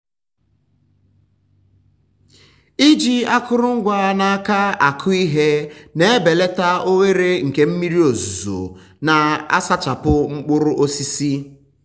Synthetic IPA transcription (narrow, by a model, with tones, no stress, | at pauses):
i˦d͡ʒi˦a˦kʊ˦ɾʊ˦ŋ̩˦ɡʷa˦na˦a˦ka˦a˨kʰʊ˦i˦ɦe˦ne˨e˦be˨le˦ta˦o˦we˦ɾe˦ŋ̩˨ke˦m̩˦mi˦ɾi˦o˨zu˨zo̰˨ | na˨a̰˦sa˦t͡ʃa˨pʊ˦ŋ͡m̩˦k͡pʊ˦ɾʊ˦ʔo˦si˦si˦